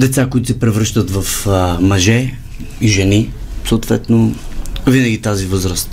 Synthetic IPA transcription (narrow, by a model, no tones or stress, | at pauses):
d̪ɛt̪sakoit̪ʊsɛpɾɛvɾɤʃt̪ət̪vɐfmɐʒɛ | iʒɛnisoːt̪vɛt̪novinəɡʲit̪azivɤzɾəst̪